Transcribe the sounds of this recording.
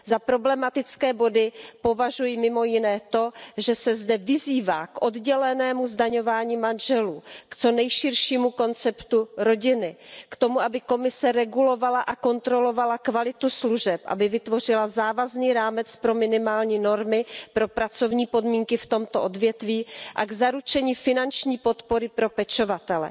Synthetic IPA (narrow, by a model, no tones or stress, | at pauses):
zapɾo̞blɛmat̪ɪt͡skɛːbo̞dɪpo̞vaʒujɪmɪmo̞jɪnɛːt̪o̞ʒɛsɛzdɛvɪziːvaːkʔo̞dɟɛlɛnɛːmuzdaɲo̞vaːɲiːmanʒɛluːkt͡so̞nɛjʃɪrʃiːmuko̞nt͡sɛpt̪uɾo̞ɟɪnɪkt̪o̞muabɪko̞mɪsɛɾɛɡulo̞valaʔako̞nt̪ɾo̞lo̞valakvalɪt̪usluʒɛpʔa̰bɪvɪt̪vo̞r̝ɪlazaːvazniːɾaːmɛt͡spɾo̞mɪnɪmaːlɲiːno̞ɾmɪpɾo̞pɾat͡so̞vɲiːpo̞dmiːŋkɪft̪o̞mt̪oʔo̞dvjɛt̪viːʔa̰ɡzaɾut͡ʃɛɲiːfɪnant͡ʃɲiːpo̞t̪po̞ɾɪpɾo̞pɛt͡ʃovat̪ɛlɛ̰